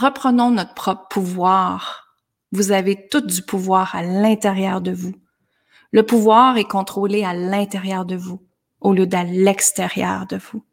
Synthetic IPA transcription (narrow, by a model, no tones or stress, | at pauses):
ʁəpχənɔ̃nɔt̪χpχɔpʁpʰuvwaːʁ | vuzavet̪ʊt̪̚d̪ypʰuvwaːʁalɛ̃t̪eʁjœːʁd̪əvu | ləpuvwaːʁɛkɔ̃t̪χolealɛ̃t̪eʁjœːʁd̪əvu | oljød̪alɛkst̪eʁjœ̰ːʁd̪əvu